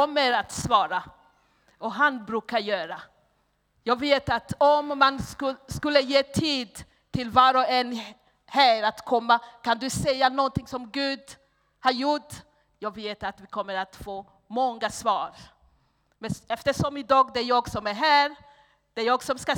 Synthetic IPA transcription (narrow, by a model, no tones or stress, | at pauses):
ɔmːəɾat̪svɑːɾa | ʔɔɦanbɾʉ̟ːkaɾjœːɾa | jɑːɡveːt̪at̪ɔmːanskɵlːəjeːt̪ʰiːd̪ | t̪ʰɪlvɑːɾɔɛnː | hæːɾat̪kʰɔmːakʰand̪ɵsɛjːanɔnt̪ɪŋsɔmɡʉ̟ːd̪ | haɾjʊʈː | jɑːɡveːt̪at̪vɪkʰɔmːəɾat̪foː | mɔŋːasvɑːɾ | mɛnɛft̪əʂɔmɪd̪ɑːɡd̪ɛjɑːɡsɔmæɾɦæːɾ | d̪̥ɛɾjɑːɡsɔmska